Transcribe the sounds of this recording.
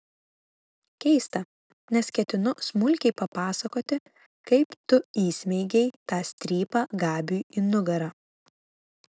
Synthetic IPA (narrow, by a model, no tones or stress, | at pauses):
kʲɛɪst̪ɐ | nʲɛskʲɛt̪ʲɪnʊsmʊlʲkʲɛɪpɐpɑːsɐkoːt̪ʲɪ | kɐɪpt̪ʊiːsʲmʲɛɪɡʲɛɪt̪ɑːsʲt̪ʲɾʲiːpɑːɡɑːbʲuːinʊɡɐɾɑː